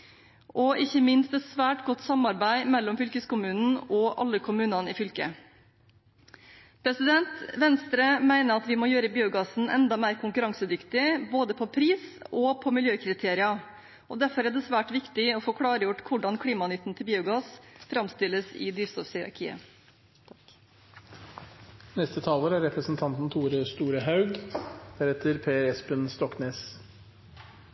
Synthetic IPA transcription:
ʔɔʔɪçːəmɪnst̪ɛt̪sʋæːʈɡɔt̪ːsɑmɑɾbæɪmɛlːɔmfʏlkəskʊmʉːnn̩ɔʔɑ̰lːəkʰʊmʉːnɑnɪfʏlkə̰ | pʰɾɛsɪd̪ɛnt̪ʋɛnst̪ɾəmæɪnəɾɑt̪ʋɪmɔjøːɾəbiːʊɡɑːsn̩ʔɛ̰nd̪ɑmæɪɾkʰʊŋkʉɾɑŋsəd̪ʏkt̪ɪboːd̪əpʰɔpʰɾiːsɔpʰɔmɪljøːkʰɾɪt̪ʰeːɾɪɑ | ɔd̪æɾfɔɾæɖɛsʋæːʈʋɪkt̪ɪɔfokʰɽɑːɾəjʊʈːkʰʊɖɑnkʰɽiːmɑnʏt̪ːənt̪ʰɪlbiːʊɡɑːsfɾɑmst̪ɪlːəsɪ̰d̪yːst̪ɔfhɪɾɑ̰ɾkʰḭːə̰ | nɛst̪ət̪ʰɑːloːɾæɾɛpɾəsn̩t̪ʰɑnt̪n̩t̪ʰuːɾəst̪uːɾəɦɑʉɡb̥̪əɾɛt̪ʰəɾpʰeːɾɛspənst̪ɔkneːs

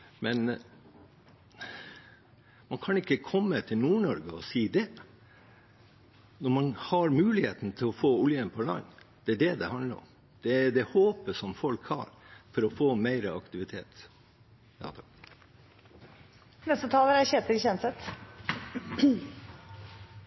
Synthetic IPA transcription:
mɛn | mɑnkʰɑnɪkːəkʰɔmːət̪ʰɪlnuːɳɔɾɡəɔsiːd̪ɛ | nɔɾmɑnhɑɾmʉːlɪheːt̪n̩t̪ʰɪlɔfoːʊljənpʰɔlɑ̰ɲːd̪̥ɛæɖɛd̪ɛhɑnləɾɔ̰m | d̪̥ɛd̪ɛhoːpəʂɔmfɔlkhɑ̰ːɾfɔɾɔfoːmæɪɾəɑkt̪ɪʋɪt̪ʰeːt̪ | jɑt̪ʰk | nɛst̪ət̪ʰɑːləɾæçɛːt̪əɾɪçɛnsɛt̪

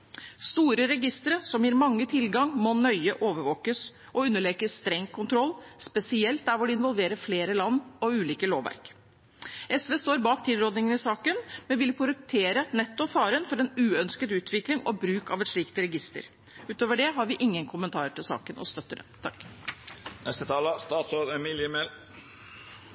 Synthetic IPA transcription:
st̪uːɾəɾɛɡɪst̪əɾəsɔmjiːɾmɑŋːət̪ʰɪlɡɑŋmɔnœʏəʔoːʋəɾʋoːkəs | ɔʉnːəɭɛkəst̪ɾɛŋkʰʊnt̪ʰɾɔlːspɛsɪɛlt̪̚d̪æɾʋʊɖɪɪnʋɔlʋeːɾəɾfleːɾəlɑnːɔʉːliːkəloːʋæ̰ɾk | ɛsʋeːst̪oːɾbɑːkt̪ʰɪːd̪ɾoːd̪nɪŋənɪsɑːkənmɛnʋɪlpʰʊɾɛk̚t̪ʰeːɾənɛt̪ːʊfɑːɾənfɔɾɛnʉːœnskət̪ʉːt̪ʰʋɪklɪŋɔ̰bɾʉːkɑʋɛt̪ʂɭiːkt̪ɾɛɡɪst̪ə̰ɾ | ʉːt̪oːʋəɖɛɦɑɾʋɪʔɪŋːənkʰʊmənt̪ʰɑːɾəʈʰɪlsɑ̰ːkənʔɔ̰st̪œt̪ːəd̪ɛ̰t̪ʰɑk | nɛst̪ət̪ʰɑːləst̪ɑːt̪soːɾɛmɪljəmel

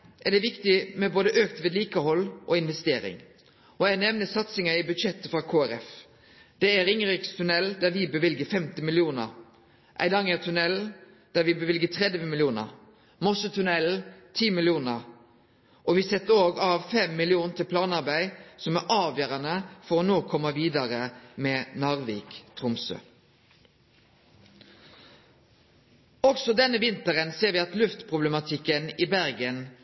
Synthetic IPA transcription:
ʔæd̪ɛʋɪkt̪ɪmɛboːd̪əʔøːkt̪ʋeːd̪liːkəhɔlːʔɔɪnʋɛst̪eːɾɪ̰ŋ | ɔæɪnɛʋnəsɑt̪sɪŋɑɪbʉd̪ʃɛt̪ːəfɾɑkʰoːæɾɛf | d̪̥ɛæɾɪŋɾɪkst̪ʰʉnɛld̪æʋɪbəʋɪlɡəfɛmt̪ɪmɪlɪuːnə̰ɾ | ʔæ̰ɪd̪ɑŋət̪ʰʉnɛl | d̪̥æɾʋɪbəʋɪlɡət̪ʰʁɛd̪ʋəmɪlɪuːnə̰ɾ | mɔsət̪ʰʉnɛl̩t̪ʰiːmɪlɪuːnəɾ | ʔɔʋɪsɛt̪əoːɡɑʋfɛmːɪlɪuːnt̪ʰɪlpʰlɑːnɑʁbæɪsɔmæʔɑːʋjøːʁɑnəfɔʁonoːkʰɔmːəʋiːd̪ɑʁəmeːnɑʁʋiːkt̪ʰʁʊmsø̰ː | ɔɡsɔd̪ɛnːəʋɪnt̪əʁənseːʁʋɪːɑt̪lʉft̪pʰʁʊblɛmɑt̪ʰɪkːəniːbæʁɡən

